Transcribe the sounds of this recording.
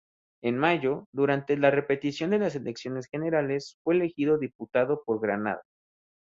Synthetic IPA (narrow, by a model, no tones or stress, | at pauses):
e̞nmaʝo̞ðuɾant̪elare̞pe̞t̪isjo̞nd̪e̞las̬e̞leksjo̞ne̞sxe̞ne̞ɾale̞sfwe̞ːle̞xiðo̞ðiput̪aðo̞po̞ɾɣɾana̰ða